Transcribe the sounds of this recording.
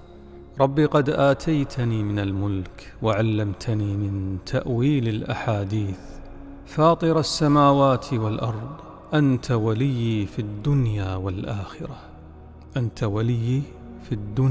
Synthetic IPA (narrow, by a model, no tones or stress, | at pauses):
ɾˤɑbːiqɑd̪ʔaːt̪ʰajt̪ʰaniːmɪnalmʊlk | waʕalːamt̪ʰaniːmɪnt̪ʰa̰ʔwiːlɪlʔa̰ħaːd̪iːθ | fɑːt̪ˤɨɾasːamaːwaːt̪ʰwalʔɑɾˤðˤ | ʔant̪ʰawalɪjːifid̪ːʊnjaːwalʔaːxɪɾa | ʔant̪ʰawalɪjːi | fid̪ːʊn